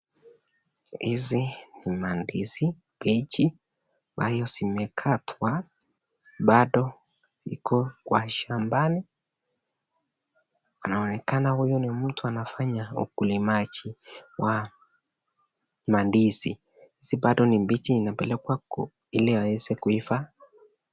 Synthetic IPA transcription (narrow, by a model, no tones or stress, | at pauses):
hizinimandizimbit͡ʃi | ambajɔzimɛkʰatʰwa | ɓaɗɔ | ḭkʰɔkwaʃambani | anaɔnɛkanahujɔnim̩tʰuanafaɲaṵkulimat͡ʃiwa | mandizi | hiziɓaɗɔnimbit͡ʃiːnapɛlɛkwa | ilɛwawɛzɛkuifa